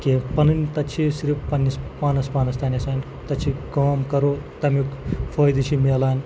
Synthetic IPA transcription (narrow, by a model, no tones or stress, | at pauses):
keːpɐnɨnʲt̪ɐt͡ʃʰisiɾifpɐnʲːispaːnɐspaːnɐst̪ɐːnʲɐsaːnʲ | t̪ɐt͡ʃʰikaːmkɐɾoːt̪ɐmikfʰoːjd̪it͡ʃʰimeːlaːnʲ